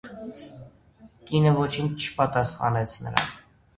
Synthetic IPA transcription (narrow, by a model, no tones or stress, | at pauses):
kinəvɔt͡ʃʰint͡ʃʰə̥pɑt̪ɑsχɑ̰nɛt͡sʰnə̰ɾɑ̰n